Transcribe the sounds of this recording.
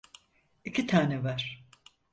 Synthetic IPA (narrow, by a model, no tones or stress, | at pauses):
icʰit̪ʰaːnɛvaɾ̥